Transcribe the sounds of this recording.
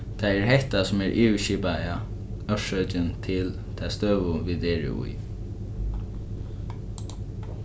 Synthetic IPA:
t̪ʰaɛɹɦɛht̪asʊmɛɹʔiːwʃiːpaja | œʃœt͡ʃɪnt̪ʰɪl | t̪ʰast̪øːʋʊʋiːd̪eːɹɪ̰ṵj

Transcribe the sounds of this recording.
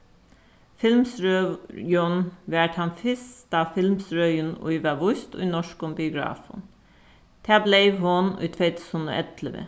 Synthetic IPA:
fɪlmsɾøjɔnʋæʈ̪hɑnfɪst̪ɑːfɪlmsɾœʏənʊ̰ʏʋɑʋʊst̪o̰inɔʃkʊmbɪʊɡɹɑ̰ːfʊ̰n | t̪ʰæːbleɪʋhʊnʉ̰t̪ʰʋeʏt̪shʊno̰ʔɛt̪ʰləʋə̰

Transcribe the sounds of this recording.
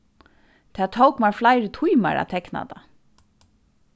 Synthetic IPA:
t̪ʰaːt̪ʰowkmaɹflaɪɾɪt̪ʰujma̰ɹa̰t̪ʰɛkna̰t̪a

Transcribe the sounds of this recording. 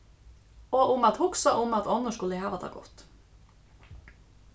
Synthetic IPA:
oːʔʊmɑt̪hʊksɑʔʊmɑt̪ɔnəʃkʉləhæːʋɑd̪ɑ̰ːɡɔ̰t̪

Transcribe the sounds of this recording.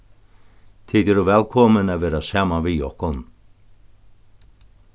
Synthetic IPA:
t̪ʰiːd̪ɛɾuvɛlkʰɔmənavɛːɾasaːmavijɔhkɔn

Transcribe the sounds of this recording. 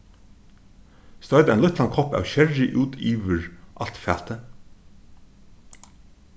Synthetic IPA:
st̪œʏd̪əɛːnlʏt̪ʰlɑnkʰɔpɑ̰ːʋçɛɹɪʔʉːd̪iːʋəɹʔɑlt̪fæːt̪ʰə

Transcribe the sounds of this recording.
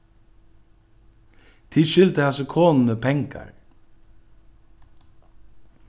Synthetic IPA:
t̪ʰɪʃʏlt̪əhɑsəkʰoːnn̩əpʰɛŋkɑ̰ɹ

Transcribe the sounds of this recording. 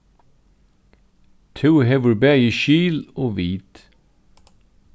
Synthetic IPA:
t̪ʰʉːɦɛʋəɹbæjəʃiːloːʋiːt̪

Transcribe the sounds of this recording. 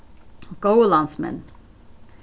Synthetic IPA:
ɡ̥oʊəlɑ̃nsmɛ̰̃n

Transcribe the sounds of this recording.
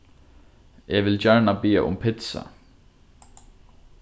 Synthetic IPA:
ɛʋɪld͡ʒɛɹnabiːa̰ʔʊ̰mpʰɪt̪sa̰

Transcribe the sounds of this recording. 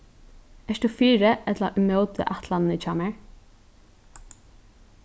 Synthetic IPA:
ɛʃt̪ufiːɾəʔɛt̪laʔʏmœːwt̪ʰɪ̰ʔaht̪ʰlannət͡ʃʰaːmɛɹ

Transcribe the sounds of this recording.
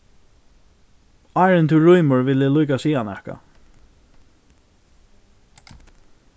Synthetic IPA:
aːɹɪnt̪ʰɪɹujmʊɹvɪlɪlujkasiːanɛhka̰

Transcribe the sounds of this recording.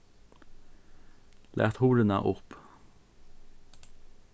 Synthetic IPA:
lʔæ̰ːt̪huːɖənə̰ʔʊp

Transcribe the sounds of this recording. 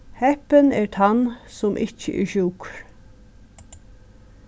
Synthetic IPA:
hɛpənɛɹt̪ʰansʊmʔɪt͡ʃə̰ʔɛ̰ɹʃuːkɾ

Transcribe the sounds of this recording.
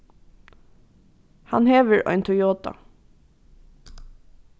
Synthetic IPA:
hɑnheːʋəɹʔœ̰ʏnt̪ʰʊjoːt̪ɑ̰

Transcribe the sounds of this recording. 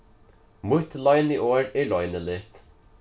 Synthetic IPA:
mʊt̪lɑɪniːʔoːɹeːlɔʏnəlɪt̪

